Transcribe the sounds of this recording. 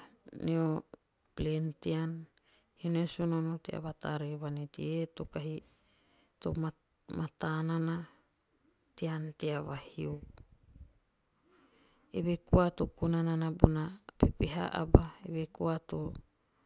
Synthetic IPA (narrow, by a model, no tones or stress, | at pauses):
neo | plentian | hinosononotea̰βata̰ɾeβanetietokaɦi | to̰ma | matanana | tianteaβahio | eβekuatokunananabunapipiɦa̰ʔa̰baeβekuato